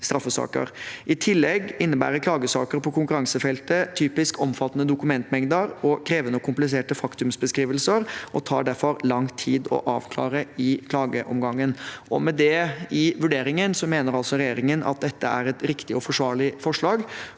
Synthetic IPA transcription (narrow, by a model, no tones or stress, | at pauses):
st̪ɾɑfːəsɑ̰ːkə̰ɾʔɪt̪ʰɪlːɛɡɪnːəbæ̰ːɾəɾkʰlɑːɡəsɑ̰ːkəɾpʰɔkʰʊŋkʉɾɑŋsəfɛlt̪ət̪ʰyːpɪskɔmfɑt̪ːənəd̪ʊkʉmɛnt̪mɛŋd̪əɾɔkʰɾeːʋənəɔkʰʊmplɪs̬eːʈəfɑkt̪ʉmsbəskɾiːʋəlsəɾʔɔt̪ʰɑ̰ːɖæɾfɔɾlɑŋt̪ʰiːd̪ɔ̰ʔɑ̰ːʋkʰlɑ̰ːɾəɪkʰlɑːɡəʔɔmɡɑŋːənʔɔmɛd̪ɛɪʋʉɖeːɾɪŋənsɔmeːnəɾɑlsɔɾɛjeːɾɪŋənɑ̰t̪̚d̪ɛt̪ʰːəæɾɛt̪ɾɪkt̪ɪɔfɔʂʋɑːɭɪfɔʂɭɑːɡ